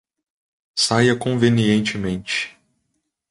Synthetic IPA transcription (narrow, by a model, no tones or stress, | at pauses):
sajɐkõveniẽnt͡ʃɪmẽnt͡ʃɪ̥